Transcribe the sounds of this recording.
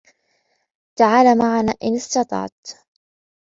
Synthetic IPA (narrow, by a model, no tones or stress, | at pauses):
t̪aʕaːlamaʕanaːʔɪnɪst̪ɑt̪ˤɑ̰ʕt̪